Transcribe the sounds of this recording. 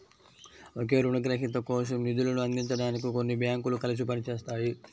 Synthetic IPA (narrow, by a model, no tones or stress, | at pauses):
ok̬e̞ːɾuɳɖɐɡɾɐɦit̪ɐkɔːʂ̬ɐmnid̪ulɐnuɐnd̪iɲt͡ʃɐɽaːnik̬iko̞nːibʱjaːŋkulukɐlɐs̬ipɐnit͡ʃeːst̪aːji